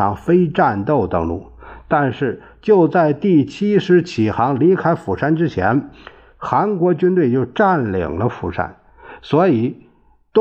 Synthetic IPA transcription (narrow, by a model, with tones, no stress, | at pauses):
ɑ˧˥ŋfe˥ɪʈ͡ʂa˥˧nt̪o˥˩ʊt̪ɤ˧˥ŋlṵ˥˩t̪a˥˧nʂɻ̩˥˩ | t͡ɕjo˥˧ʊt͡sa˥˧ɪt̪i˥˩t͡ɕʰi˥ʂɻ̩˧˥t͡ɕʰi˨˩xɑ˧˥ŋli˧˥kʰa˥ɪfu˨˩ʂa˥nʈ͡ʂɻ̩˥t͡ɕʰjɛ˧˥n | xa˧˥nkwɔ˧˥t͡ɕy˥nt̪we˥˧ɪt͡ɕjo˥˧ʊʈ͡ʂa˥˩nlḭ˨˩ŋlə˦fṵ˨˩ʂa̰˥n | swɔ˧˥i˨˩˦ | t̪